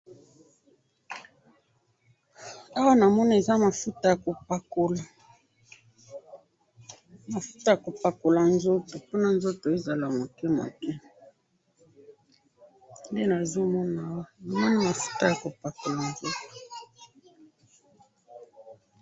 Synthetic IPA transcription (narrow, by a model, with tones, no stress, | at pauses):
a˦wa˦na˨mɔ˦na˦e˨za˦ma˨fu˦ta˦ja˨ko˨pa˨ko˨la˨ | ma˨fu̥˦ta˨ja˨ko˨pa˨ko˨la˨nzo˦to˨po˦na˦nzo˦to˨e˦za˨la˨mo˨kɛ˦ma̰˨kɛ˦ | nde˦na˨zo˦mɔ˦na˨˦wa˦na˦ni˦ma˨fu̥˦ta˦ja˨ko˨pa˨ko˨la˨nzo˦to̥˨